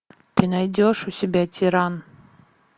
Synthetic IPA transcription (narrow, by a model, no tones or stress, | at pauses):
t̪ɨnajd̪ʲoʃusʲɪbʲætʲʰiɾɑn